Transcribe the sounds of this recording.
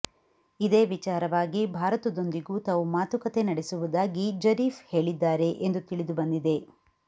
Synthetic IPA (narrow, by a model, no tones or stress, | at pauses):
id̪eːʋit͡ʃaːɾɐʋaːɡibʱaːɾɐt̪ud̪o̞nd̪iɡuːt̪aːʋumaːt̪ukɐt̪e̞nɐɽesuʋud̪aːɡid͡ʒɐɾiːfhe̞ːɭid̪ːaːɾe̞ʔend̪ut̪iɭid̪ubɐnd̪id̪e̞